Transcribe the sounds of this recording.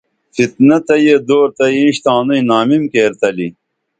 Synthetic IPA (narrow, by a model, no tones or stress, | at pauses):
fit̪nɐt̪ɐjed̪oːɾt̪ɐjiĩɕt̪aːnujnaːmimkeːɾt̪ɐli